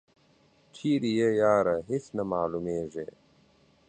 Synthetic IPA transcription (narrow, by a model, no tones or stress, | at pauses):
t͡ɕʰiːɾijejaːɾɐɦisnɐmaːlumeːʐe